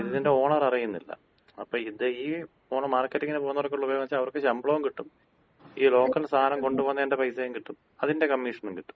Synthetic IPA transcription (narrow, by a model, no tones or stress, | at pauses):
iðiðinde̞o̞ːɳɐrɐrijunːḭlːɐ̰ | ɐpːoːiðeiː | oːɳɐmaːrkːɐtːiŋːɐnepoːnːɐrokːeuɭːɐupːejmɐt͡ɕːalɐʋɐrkːɨɕɐmbɭɐʋumkiʈːum | iːlo̞ːkːɐlst̪ʰaːnɐmko̞ɳɖupoːnːɐende̞pɐjsɐjumkiʈːum | ɐðinde̞kɐmːiʂɐnumkiʈːu̥m